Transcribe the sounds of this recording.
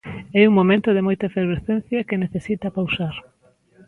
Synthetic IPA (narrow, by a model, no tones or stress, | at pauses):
ɛuŋmõmẽnt̪ʊðɪmojt̪ɐefeɾβeθẽnθjɐkɪneθesit̪ɐpawsaɾ